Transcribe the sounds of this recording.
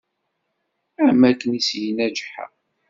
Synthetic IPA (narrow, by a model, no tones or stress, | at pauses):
aʕmælkənisjənæd͡ʒħa̰